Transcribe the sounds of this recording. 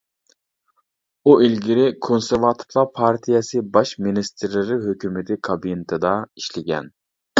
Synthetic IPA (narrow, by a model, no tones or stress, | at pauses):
uʔilɡʲiɾɪkʰonseɾvɑt̪ʰɨ̥ɾlˠɑpʰɑɾt̪ʰijɛsɨbɑʃminist̪ʰɪɾlɪɾɪɦøkʲymɪt̪ʰɪkʰɑbinɪt̪ʰɨd̪ɑiʃlɪɡʲɛ̰n